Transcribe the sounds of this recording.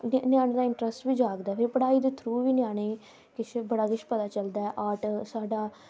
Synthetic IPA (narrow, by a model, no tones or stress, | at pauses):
nnjaːñeːd̪aːɪɳʈɾəsʈʋiːd͡ʒaːɡd̪aɛpʰɪɾpəɽaːiːd̪eːt̪ʰɾuːʋiːnɪjaːɽ̃eː | kɪt͡ʃʰbəɽaːkɪt͡ʃʰpət̪aːt͡ʃəld̪aːɛʔaːʈsaːɖaː